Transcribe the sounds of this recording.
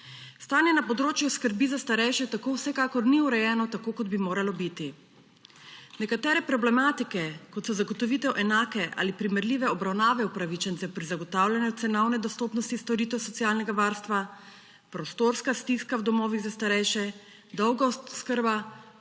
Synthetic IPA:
st̪aːnjɛnapɔd̪ɾoːt͡ʃjuskəɾbizast̪aɾɛjʃɛt̪akowsɛkaːkɔɾniuɾɛjɛːnɔt̪akoːkɔd̪bimoːɾalɔbit̪i | nɛkat̪ɛːɾɛpɾɔblɛmaːt̪ikɛkɔt̪sɔzaɡɔt̪ɔʋiːt̪ɛwʔɛnaːkɛʔa̰ːlipɾimɛɾliːʋɛɔbɾawnaːʋɛupɾaʋit͡ʃɛnt̪sɛpɾizaɡɔt̪awljanjut̪sɛnɔwnɛd̪ɔst̪oːpnɔst̪ist̪ɔɾiːt̪ɛwsɔt̪sijaːlnɛɡaʋaːɾst̪ʋa | pɾɔst̪oɾskast̪iskawd̪ɔmɔːʋiɣzast̪aɾɛjʃɛ | d̪ɔwɡaskəɾba

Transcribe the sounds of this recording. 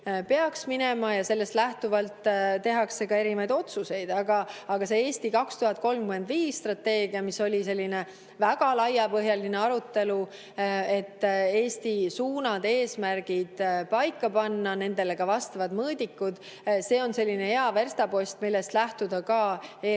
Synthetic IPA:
pe̞ɑksminemɑjɑse̞lːe̞st̪læht̪uvɑlt̪tːe̞ɦɑksːe̞ɡɑe̞ɾimɑjd̪o̞t̪suse̞jd̪̥ɑɡɑːɡ̥ɑse̞eːst̪ikɑkst̪uɦɑt̪̚ko̞lmkyme̞nd̪viːsːt̪rɑt̪ːe̞ːɡ̥iɑmiso̞lʲise̞lʲːine̞ | væɡ̥ɑlɑjɑpɤɦjɑlineɑɾut̪ːe̞lu | e̞t̪ːe̞ːsʲt̪isuːnɑd̪̥e̞ːsmærɡ̥id̪̥pɑjkːˑɑpɑnːɑne̞nd̪e̞le̞ɡ̥ɑvɑst̪ɑvɑd̪mɤːd̪̥ʲikːud̪̥ | se̞ːo̞nse̞lʲːine̞e̞ɑve̞rst̪ɑpo̞sʲt̪milːe̞st̪læht̪ud̪̥ɑkɑːe

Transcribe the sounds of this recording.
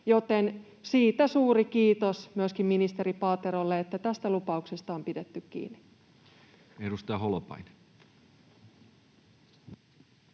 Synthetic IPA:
jo̞t̪en | siːt̪æsuːɾikiːt̪osmyøskimminist̪e̞ɾipɑːt̪eɾolːeet̪ːæt̪æst̪ælupɑukse̞st̪ɑompide̞t̪ːykkḭːnːi̥ | edust̪ɑjɑɦolopɑ̰jn

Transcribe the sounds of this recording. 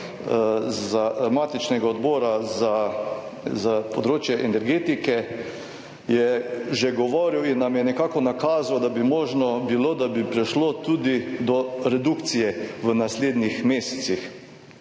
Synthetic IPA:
zaamaːt̪it͡ʃnɛɡaɔd̪bɔːɾaza | zapod̪ɾoːt͡ʃjɛʔɛnɛɾɡeːt̪ikɛ | jɛʒɛɡɔʋoːɾiwinːamjɛnɛkaːkɔnakaːzawd̪abimɔːʒnɔbiloːd̪abipɾɛʃlot̪uːd̪id̪ɔɾɛd̪ukt̪sijɛʋənasleːd̪nixmeːsɛ̥t̪six

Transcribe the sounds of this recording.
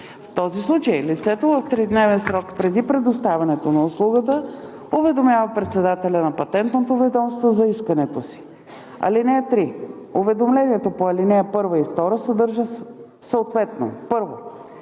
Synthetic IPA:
ft̪ɔzislˠut͡ʃəjlit̪sɛt̪ovəft̪ɾid̪nɛvɛnsɾɔkpɾɛd̪ipɾɛd̪ʊst̪avʲɐnɛt̪onɐʊslˠuɡət̪ə | ʊvɛd̪omjavɐpɾɛt̪sɛd̪at̪ɛlʲɐnɐpɐt̪ɛnt̪not̪ovɛd̪ɔmst̪vozɐiskɐnɛt̪osi̥ | ɐ̰linɛɛt̪ɾi | ovɛd̪omlɛniɛt̪opoɐlinɛɛpɤɾvɐift̪ɔɾəsɛd̪ɤɾʒə | səot̪vɛt̪no̰pɤɾvo

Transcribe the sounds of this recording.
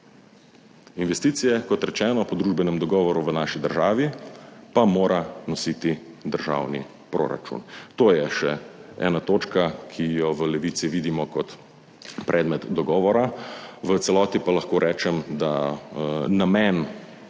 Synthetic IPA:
inʋɛst̪iːt̪sijɛkɔt̪ɾɛt͡ʃɛːnɔpɔd̪ɾuːʒbɛnɛmd̪ɔɡɔːʋɔɾuʋənaʃid̪əɾʒaːʋipamoːɾanɔsiːt̪i | d̪əɾʒa̰wnḭ | pɾo̰ːɾa̰t͡ʃṵnt̪oːjɛʃɛɛ̰ːnat̪oːt͡ʃkakʰijɔʋəlɛʋiːt̪siʋiːd̪imɔkɔt̪ | pɾʔɛːd̪mɛt̪d̪ɔɡɔːʋɔɾaʋət̪sɛlɔːt̪ipalaxkoːɾʔɛːt͡ʃɛmd̪a | namɛn

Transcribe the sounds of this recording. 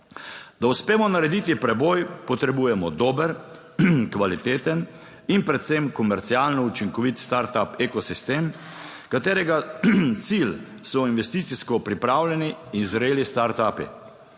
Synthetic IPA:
d̪̥auspeːmɔnaɾɛd̪it̪ipɾɛbɔːjpɔt̪ɾɛbuːjɛmɔd̪oːbəɾ | kʋalit̪eːt̪ən | inpɾɛt̪semkɔmɛɾt̪siaːlnɔut͡ʃiŋkɔʋit̪st̪aɾt̪apekɔsist̪eːm | kat̪eːɾɛɡat̪sil | sɔinʋɛst̪iːt̪siskɔpɾipɾawlʲɛniːnzɾeːlist̪aɾt̪aːpḭ

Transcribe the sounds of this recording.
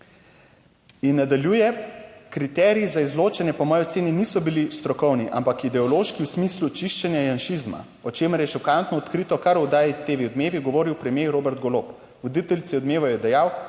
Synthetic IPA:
inːad̪aljujɛkɾit̪ɛːɾiizaizloːt͡ʃɛnjɛpɔmɔːjɔt̪seːninisɔbilist̪ɾɔkɔwniʔa̰mpakid̪ɛɔloʃkiwsmiːslut͡ʃiʃt͡ʃɛnjajanʃizma̰ | ɔt͡ʃeːməɾjɛʃɔkant̪nɔɔt̪kɾiːt̪ɔkaɾɔd̪aːjit̪eːʋiɔd̪meːʋiɡɔʋoːɾiwpɾɛmjeɾoːbɛɾt̪ɡɔloːp | ʋɔd̪it̪ɛlisiɔd̪meːʋɔjɛd̪ɛjaw

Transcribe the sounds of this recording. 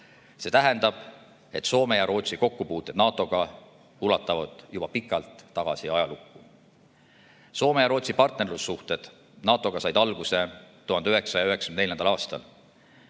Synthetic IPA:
se̞t̪æɦɛnd̪ɑb̥ | e̞t̪so̞ːme̞jɑɾo̞ːt̪siko̞kːupuːt̪ːˑe̞d̪nɑːt̪ˑːo̞ɡ̥ɑ | ulɑt̪ːˑɑvɑd̪̥jub̥ɑpikːˑɑlt̪ːɑɡ̥ɑ̰siɑjɑlukːu | so̞ːmejɑɾo̞ːt̪sipɑrt̪nerlusːuht̪e̞d̪̥ | nɑːt̪ːˑo̞ɡ̥ɑsɑjd̪ɑlɡ̥use̞t̪ːuhɑnd̪eyɦe̞ksɑsɑjɑyɦe̞ksɑ̥ynneljɑnd̪ɑlɑːst̪ɑ̰l

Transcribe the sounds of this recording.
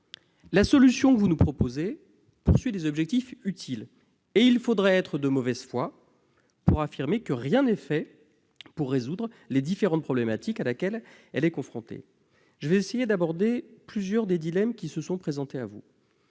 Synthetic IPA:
lasɔlysjɔ̃kəvunupχɔpoze | puʁsɥid̪ezɔbʒɛk̚t̪ifyt̪ʰil | eilfod̪ʁɛɛt̪χəd̪əmɔvɛz̥fwa | puʁafiʁmekəʁjɛ̃nɛfɛ | puʁːezud̪ʁ | led̪ifeʁɑ̃t̪̚pχɔblɛmat̪ikalakʲɛl | ɛlɛkɔ̃fχɔ̃t̪ḛ | ʒ̥əvɛesejed̪abɔʁd̪eplyzjœʁd̪ed̪ilɛmkʲisəsɔ̃pχezɑ̃t̪eavṵ

